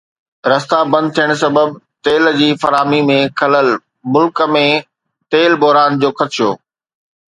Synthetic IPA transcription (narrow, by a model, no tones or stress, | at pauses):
ɾɐst̪abɐ̃nd̪̚t̪ʰijəɽ̃s̬ɐbəbt̪eːld͡ʑiːfɐɾaːmimẽkʰɐləl | mʊlkəmẽ | t̪eːlbɔɦɾaːnd͡ʑoːkʰɐt̪ʃʰijo̰ː